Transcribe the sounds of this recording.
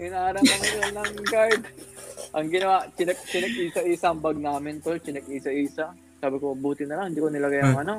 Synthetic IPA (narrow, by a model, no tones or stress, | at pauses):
ʔɪnɐʔaːɾɐɐnɐt̪ɐlɐŋɡaɹd̪̚ʔɐŋɡɪnɐwaʔt͡ʃɪnɛk̚t͡ʃɪnɛɡ̚ʔiːsɐʔiːsɐɐmbɐɡ̚naːmɪnt̪olt͡ʃɪnɛk̚ʔiːsɐʔiːsɐ | saːbɪkomɐbuːt̪ɪnɐlɐŋɪnd̪iːkonɪlɐɡajɐŋʔɐno